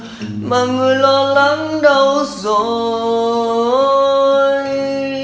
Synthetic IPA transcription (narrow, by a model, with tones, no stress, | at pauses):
maː˨˩ŋɨ˨˩əjlɔ˧la˧˥ŋɗə˧wzo˨˩ | j